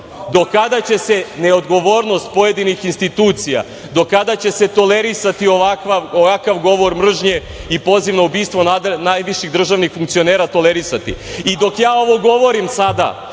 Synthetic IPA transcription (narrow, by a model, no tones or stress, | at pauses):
d̪o̞kad̪at͡ɕe̞se̞ne̞od̪ɡo̞ʋo̞ːɾno̞st̪̚po̞je̞d̪inixinst̪it̪uːt̪sija̰ | d̪o̞kad̪at͡ɕe̞se̞t̪o̞le̞ɾisat̪ioʋakʋaoʋakaʋɡo̞ʋo̞ɾmr̩ʒɲe̞ | ipo̞ziʋnaubiːst̪ʋo̞nanajʋiʃiɣd̪ɾr̩ʒaʋnixfuŋkt̪sio̞neːɾat̪o̞leɾisat̪ḭid̪o̞kjaːo̞ʋo̞ɡo̞ʋo̞ɾimsad̪a̰